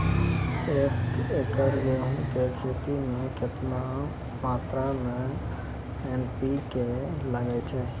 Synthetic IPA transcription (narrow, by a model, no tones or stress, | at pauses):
ekekəɾɡeɦũkekʰet̪imẽket̪na | mat̪ɾamẽ | enpikeləɡɛt͡ʃʰɛ